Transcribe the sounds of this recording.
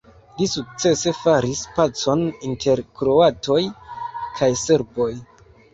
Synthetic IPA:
lisuk̚t͡se̞se̞faɾispat͡so̞nintʰe̞ɾkɾo̞atʰo̞jkʰajse̞ɾbo̞j

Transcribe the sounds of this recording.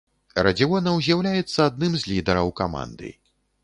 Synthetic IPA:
ɾɐd͡zʲiwɔnɐwzʲjawlʲajɛt̪sːɐad̪̚nɨmzʲlʲid̪ɛɾɐwkama̰nd̪ɨ̰

